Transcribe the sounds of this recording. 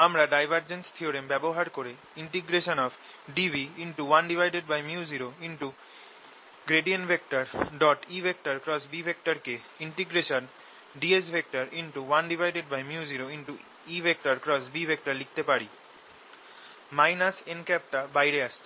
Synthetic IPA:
amɾaɖajbʱaɾd͡ʑenst̪ʰioɾembɛboɦaɾkoɾe | iɳʈiɡɾeʃonɔf | ɖibiinʈuwanɖibʱajɖeɖ̚bajmjuziɾoinʈu | ɡɾeɖienbʱek̚ʈaɾɖɔʈibʱek̚ʈaɾkɾɔsbibʱek̚ʈaɾke | iɳʈiɡɾeʃon | ɖiesbʱek̚ʈaɾinʈuwanɖibʱajɖeɖbajmjuziɾoinʈu | ibʱek̚ʈaɾkɾɔsbibʱek̚ʈaɾlik̚ʰt̪epaɾi | majnasenkɛp̚ʈabajɾeaʃt͡ɕʰi̥

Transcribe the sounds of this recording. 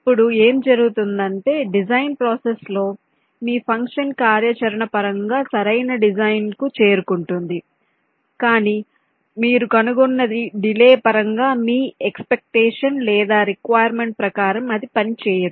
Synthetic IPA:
ɐpːuɽue̞ːmd͡ʒɐɾuɡut̪und̪ɐɳʈe̞ːɖid͡ʒɐjnpɾɔːseslo̞ː | miːpʰɐŋkʂɐnkaːɾjɐt͡ʃɐɾɐɳɐpɐɾɐŋɡaːsɐɾɐjnɐɖid͡ʒɐjnkut͡ʃe̞ːɾukuɳʈund̪i | kaːniː | miːɾukɐnuɡunːɐd̪iɖileːpɐɾɐŋɡaːmiːekspek̚ʈeːʂɐnlɛːd̪aːɾikʋaːjɐɾme̞ɳʈ̚pɾɐkaːɾɐmɐd̪ipɐnit͡ʃɛːjɐɾu

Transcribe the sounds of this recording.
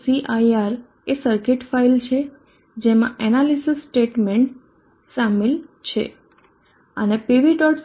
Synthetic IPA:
siʔaiaɾ | esəɾkeʈfailt͡ʃʰe | d͡ʒemã̰ʔɛnalisisːʈeʈmeɳʈ | samelt͡ʃʰḛ | ə̰nepeʋiʈɔʈs

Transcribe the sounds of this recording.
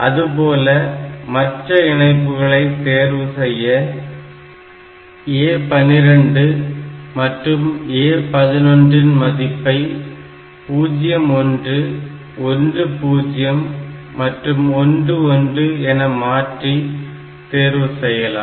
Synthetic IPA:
ʔɐ̰ðɯp̬oːlɐmɐʈrɐɪɳɐɪp̬ːɯɣɐɭɐɪt̪eːɾʋɯsɛjːɐ | eːpɐnɪɾɐɳɖɯmɐʈrɯmeːpɐðɪnɔndrɪnmɐðɪpːɐɪ | puːd͡ʒɪjɐmɔndrɯ | ɔndrɯpuːd͡ʒɪjɐmː | ɐʈrɯmɔndrɯɔndrɯɛnɐmaːʈri | t̪eːɾʋɯsɛjːɐla̰ː

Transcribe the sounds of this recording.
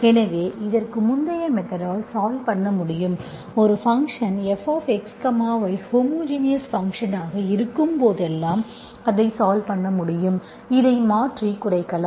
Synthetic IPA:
ɛnɐʋeːʔɪðɐrkɯmʊnd̪ɐjɐmɛt̪ːɐɾaːlsaːlpɐɳːɐmʊɽɪjɯm | ɔɾɯfɐŋkʂɐnɛfaːfɛkskɐmaːʋɐɪhoːmoːd͡ʒinɪjɐsfɐŋkʂɐnaːɣɐɪɾɯkːɯmpoːðɛlːaːm | ɐðɐɪsaːlpɐɳːɐmʊɽɪjɯm | ɪðɐɪmaːʈrikʊɽɐɪkːɐɭɐm

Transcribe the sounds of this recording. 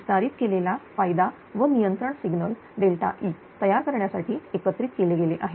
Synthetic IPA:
ʋist̪aɾit̪kelelafajd̪a | ʋənijənt̪ɾəɳsiɡnəl | ɖelʈa̰ʔiː | t̪əjaɾkəɾɳjasaʈʰiːekət̪ɾiːt̪keleɡeleʔaɦe

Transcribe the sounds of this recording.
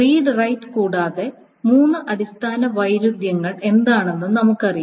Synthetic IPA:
riːɖrɐjtːɨkuːɽaːðe | muːnːɨʔɐɽist̪ʰaːnɐʋɐjɾud̪jɐŋːɐɭe̞nd̪aːɳe̞nːɨnɐmukːɨɐriju

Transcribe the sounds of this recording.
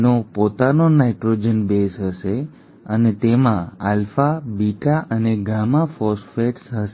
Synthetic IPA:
nopot̪anonaiʈɾod͡ʒənbesɦəʃe | ənet̪emãalfabiʈaʔəneɡamafɔsfeʈsɦəʃe

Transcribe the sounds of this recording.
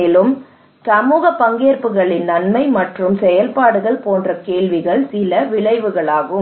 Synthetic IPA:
eːlɯm | sɐmuːɣɐpːɐŋɡeːɾpɯɣɐɭɪnnɐnmɐɪmɐʈrɯmsɛjɐlpaːɽɯɣɐɭpoːndrɐkeːɭʋɪɣɐɭsɪlɐʋɪɭɐɪʋɯɣɐɭaːɣɯm

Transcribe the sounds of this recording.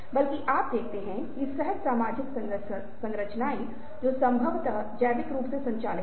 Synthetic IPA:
bɐlkiʔaːp̚d̪eːk̚ʰt̪eɦɛ̃ | ɪsɛɦəd̪saːmaːd͡ʒɪksɐ | sɐ̃ŋɾət͡ʃnaːi | d͡ʒoːsɐ̃mbʱəʋt̪ɐ | d͡ʒɛːʋɪkɾuːpsesɐ̃ɲt͡ʃaːlɪ

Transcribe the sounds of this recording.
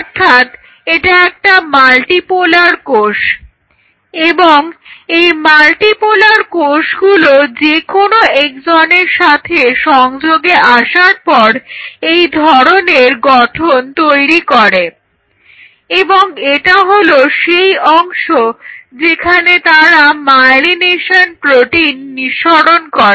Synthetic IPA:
ɔɾt̪ʰat̪ | eʈaɛk̚ʈamalʈipolaɾkoʃ | eboŋejmalʈipolaɾkoʃɡulod͡ʑekonoekd͡ʑɔneɾʃat̪ʰeʃɔŋd͡ʑoɡeʔaʃaɾpɔɾejd̪ʱɔɾoneɾɡɔʈʰont̪ojɾikɔɾe | eboŋeʈaɦoloʃejɔŋʃod͡ʑekʰanet̪aɾamajlineʃonpɾoʈinːiʃɔɽonkɔɾe

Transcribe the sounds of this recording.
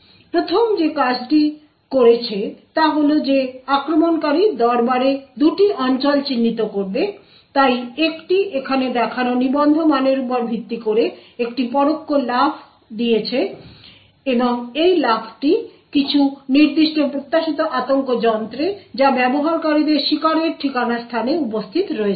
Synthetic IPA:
pɾot̪ʰomd͡ʑekad͡ʑʈi | koɾet͡ɕʰet̪aɦolod͡ʑeakɾomonkaɾid̪ɔɾbaɾed̪uʈiʔɔnt͡ɕolt͡ɕinːit̪okoɾbe | t̪ajekʈiʔekʰaned̪ɛkʰanonibɔnd̪ʱomaneɾupoɾbʱit̪ːikoɾeekʈipɔɾokːolapʰ | d̪ijet͡ɕʰe | eboŋejlapʰʈikit͡ɕʰuniɾd̪iʃʈopɾot̪ːaʃit̪oʔat̪oŋkod͡ʑɔnt̪ɾed͡ʑabɛboɦaɾkaɾid̪eɾʃikaɾeɾʈʰikanaɾst̪ʰaneupost̪ʰit̪ɾɔe

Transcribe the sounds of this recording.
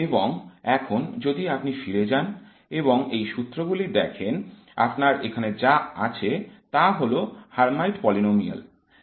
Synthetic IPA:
eboŋɛkʰond͡ʑod̪iapnifiɾed͡ʑan | eβoŋejʃut̪ːɾoɡulid̪ɛkʰen | a̰pnaɾekʰaned͡ʑaa̰t͡ɕʰet̪aɦolohaɾmajʈpɔlinomia̰l

